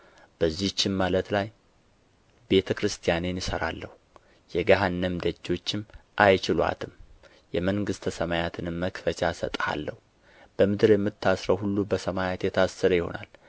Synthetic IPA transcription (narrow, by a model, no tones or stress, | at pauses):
b̥əzːit͡ʃːɪnmalət̪laj | be̞t̪ʰəkɾɨst̪ʰijanenjɪsəɾa̰lːəhu | jɛɡaɦanːəmd̪əd͡ʒːo̞t͡ʃːɪmʔajt͡ʃɪlwa̰t̪ʰɨm | jɛməŋɡɨst̪ʰəsəmajat̪ʰɨnɨmːəkfət͡ʃasə̰t̪ʼha̰lːəhu | b̥əmɨd̪ɨɾjɛmːɨt̪ʰːasɾəwhulːubəsəmajat̪jɛt̪ʰasːəɾəjɪho̞̰na̰l